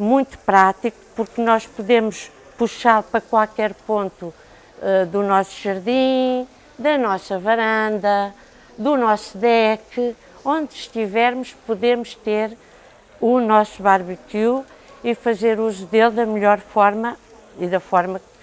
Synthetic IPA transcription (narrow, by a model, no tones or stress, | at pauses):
mũj̃t̪u̥pɾat̪iku̥puɾknɔʃpuðemuʃ | puʃaɾpɾɐkwalˠkɛɾpõnt̪u | ɛd̪unɔsuʒɐɾðĩ | d̪ɐnɔsɐvɐɾɐ̃nd̪ɐ | d̪unɔsuðɛkɨ | õnd̪ʃt̪ivɛɾmuʃpuðemuʃt̪eɾ | unɔsuβaɾβik̪u | ifɐzeɾuzuðelˠd̪ɐmʎɔɾfɔɾmɐ | iðɐfɔɾmɐk